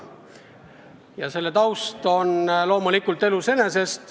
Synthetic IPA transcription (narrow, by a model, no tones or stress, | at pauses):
jɑse̞lːe̞t̪ɑwst̪o̞nlo̞ːmulikːult̪e̞luse̞ne̞se̞st̪